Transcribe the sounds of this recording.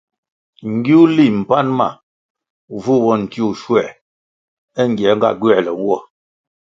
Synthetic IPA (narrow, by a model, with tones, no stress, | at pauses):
ŋ̩˨ɡi˦u˦li˦˨m̩˨pa˦nma̰˨ | vu˦wɔ˦˨n̩˨ti˦u˦˨ʃwɛ˨ | ɛ˦ŋ˨ɡjɛ˨˦ŋ˦ɡa̰˦˨ɡɥɛ˦˨lɛ˨wwɔ˦˨